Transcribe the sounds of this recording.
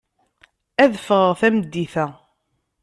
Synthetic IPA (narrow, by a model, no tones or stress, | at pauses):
æðfəʁəʁθæməd̪ːiθæ